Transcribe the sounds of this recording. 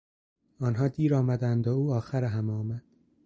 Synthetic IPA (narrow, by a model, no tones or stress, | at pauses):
ɒːnɦɒːd̪iːɾɒːmæd̪ænd̪ouːɒːxæɾeɦæmɒːmæd̪̥